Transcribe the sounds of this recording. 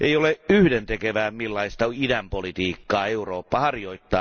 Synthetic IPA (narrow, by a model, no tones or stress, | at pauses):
ʔeioleyhdent̪ekeʋæːmilːɑist̪ɑidæmpolit̪iːkːɑːeuroːpːɑhɑrjo̞it̪ːɑː